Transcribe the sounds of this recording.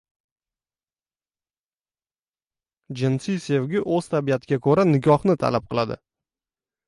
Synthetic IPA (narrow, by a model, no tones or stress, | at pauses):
d͡ʒɪnsise̞vɡʲɪʔɵz̥t̪ʰabiat̪ʰɪɡʲakʰɵɾanɪɡʲɒχnɪt̪ʰa̰lap̚qʰɨlˠad̪ɪ̰